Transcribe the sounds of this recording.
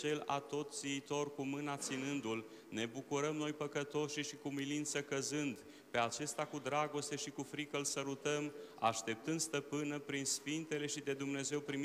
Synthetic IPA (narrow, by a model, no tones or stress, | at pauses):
t͡ʃe̞la̰t̪o̞t̪ziit̪o̞rkumɨnat̪sinɨnd̪ul | ne̞bukuɾəmno̞jpəkət̪o̞ʃiʃikumilint̪səkəzɨnd̪ | pe̞at͡ʃe̞st̪akud̪ɾaɡo̞st̪e̞ʃikufɾikəlsəɾut̪əma̰ʃt̪e̞p̚t̪ɨnd̪st̪əpɨnəpɾinsfint̪e̞le̞ʃid̪e̞d̪umne̞ze̞wpɾim